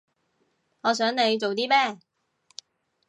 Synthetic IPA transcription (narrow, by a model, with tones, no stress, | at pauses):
ŋɔː˨˧s̬œː˨˥ŋne˨˧jt͡so˨wt̪iː˥mɛː˥˩